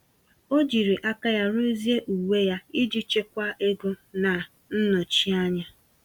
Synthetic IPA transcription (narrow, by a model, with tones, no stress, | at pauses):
o˦d͡ʒi˨ɾi˨ʔa˦ka˦ja˦ɾu˦zi˦e˦ʔu˨we˦ja˦i˦d͡ʒi˦t͡ʃe˦kʷa˦ʔe˦ɡʊ˦na˨ | n̩˦nɔ˨t͡ʃi˦a˦ɲa˦